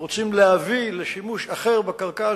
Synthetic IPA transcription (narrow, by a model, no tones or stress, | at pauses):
ot͡simlehavileʃimuʃaχe̞ʁbakalka